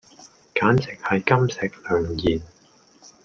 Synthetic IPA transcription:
kaː˨˥nt͡sɪ˨k̚hɐ˨jkɐ˥msɪ˨k̚lœː˨˧ŋjiː˨n

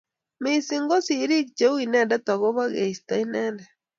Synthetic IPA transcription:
me˦si˦ŋɡo˦si˨˦ɾi˦k̚t͡ʃe˦winɛ˦˨nda˦t̪a˨ɣo˦βa˦ɣe˨i˨sta˨i˦nɛ˦ndɛ˨

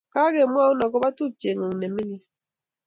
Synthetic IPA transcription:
ka˦ke˨mwa˦u˦nɔ˨kɔ˦ba˦tu˦˨tje˨ŋo˨ŋ˨ne˨mi˦ni˦

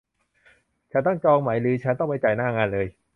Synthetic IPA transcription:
t͡ɕʰa˦˥nt̪ɔ˥˩ŋt͡ɕɔː˧ŋmaː˩˦jlɯː˨˦t͡ɕʰa˦˥nt̪ɔ˥˩pa˧jt͡ɕa˨˩jnaː˥˩ŋaː˧nlɤː˧j

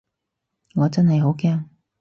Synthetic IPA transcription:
ŋɔː˨˧t͡sɐ˥nɦɐ˨jɦo˨˥wkɛː˥ŋ

